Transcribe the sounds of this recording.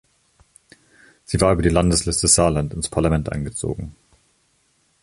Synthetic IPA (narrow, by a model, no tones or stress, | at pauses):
z̥iːvaːɐʔyːbɐdiːlandəslɪstəz̥aːlantɪnspʰaɐlamɛntʔa̰ɪnɡət͡so̰ːɡŋ̩